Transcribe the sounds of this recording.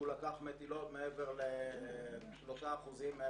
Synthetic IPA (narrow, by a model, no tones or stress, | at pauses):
ulakaχmet̪ilo̞t̪meeveʁle | ʃloʃaːχuzime